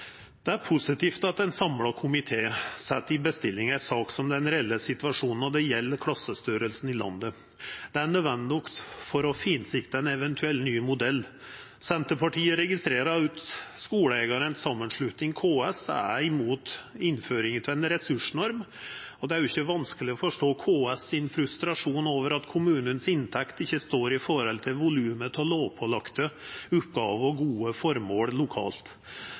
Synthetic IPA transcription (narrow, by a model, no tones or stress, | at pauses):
d̪̥ɛæɾpʰʊsɪt̪iːft̪ɑt̪ɛnsɑmlɑkʰʊmɪt̪ʰeːsɛt̪ːɪbəst̪ɪlːɪŋæɪsɑːksɔmd̪ɛnɾɛɛlːəsɪt̪ʋɑʂuːnn̩ɔd̪ɛjɛlːəkʰlɑsːəst̪yːɾəlsn̩ɪlɑ̰nd̪ə | d̪̥ɛæɳød̪ʋɛnd̪ɪnɔkt̪fɔɾɔfiːnsɪkt̪əɛnɛʋɛnt̪ʰʉɛlnyːmʊd̪ɛlː | sɛnt̪əpʰɑʈʰiːəɾɛɡɪst̪ɾeːɾɑʉːt̪skuːɽəɛːɡɑɾənsɑmːənʂɭʉt̪nɪŋkʰoːɛsæɪmuːt̪ɪnːføːɾɪŋt̪ʰɪlɛnɾɛsʉʂnɔɾmɔd̪ɛæɾjʊɪçːəʋɑnskəlɪɔfɔʂʈoːkʰoːɛsɪnfɾʉst̪ɾɑʂuːnoːʋəɾɑt̪kʰʊmʉːnənsɪnt̪ʰɛkt̪ɪçːəst̪oːɾɪfɔɾhɔlt̪ʰɪlʋʊlʉːmət̪ʰɪɔloːʋpʰɔlɑkt̪əʉːpɡɑːʋəɔɡuːəfɔɾmoːɽlʊkʰɑ̰ːlt̪